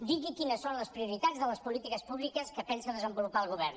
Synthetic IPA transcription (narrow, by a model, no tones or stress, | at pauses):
d̪iɣikinəsːonləspɾiuɾit̪ad͡zðələspulit̪ikəspuβlikəskəpɛnsəðəzəmbulupaəlˠɣ̞uβɛɾn